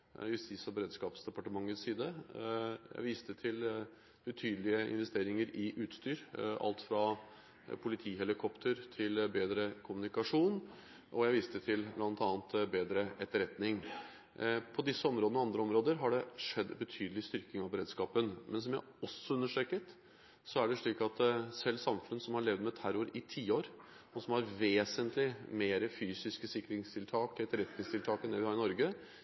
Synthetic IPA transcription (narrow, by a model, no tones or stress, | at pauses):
jʉst̪ɪsɑbəɾeːd̪skɑːpsd̪ɛpɑʈəmɑŋːəsiːd̪ə | jæ̰ɪʋiːst̪ət̪ʰɪl | b̥ət̪ʰyːd̪əlɪəɪ̰nʋɛst̪eːɾɪŋəɾɪʔʉːt̪st̪yːɾʔɑ̰lt̪fɾɑ | pʰʊlɪt̪ʰiːɦɛlɪkʰɔpt̪ʰəɾt̪ʰɪlbeːd̪ɾəkʰʊmʉnɪkɑʂuːn | ʔɔjæɪʋiːst̪ət̪ʰɪlblɑnt̪ɑːənt̪beːd̪ɾəʔɛt̪ːəɾɛt̪nɪŋ | pʰɔd̪ɪsːəɔmɾoːd̪nɔɑnd̪ɾəɔmɾoːd̪əɾɦɑɖɛʂɛd̪ːbət̪ʰyːd̪əlɪst̪ʏɾkɪŋɑʋbəɾeːd̪skɑːpənmʔɛns̬ɔmjæ | ɔsːɔʉnːəʂʈɾɛkət̪ | sɔæɖɛʂɭiːkɑt̪sɛlːsɑmfʉnəsɔmhɑɭɛʋd̪mɛt̪ʰæɾʊɾɪt̪ʰiːoːɾ | ɔsɔmhɑɾʋeːsənt̪lɪmeːɾəfyːsɪskəsɪkːɾɪŋst̪ʰɪlt̪ʰɑːkɛt̪ːəɾɛt̪nɪŋst̪ʰɪlt̪ʰɑːkənd̪ɛʋɪhɑɾɪnɔɾɡə